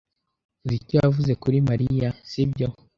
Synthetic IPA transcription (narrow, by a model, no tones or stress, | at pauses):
uzicojavuze̞kuɾimaɾijasibɟo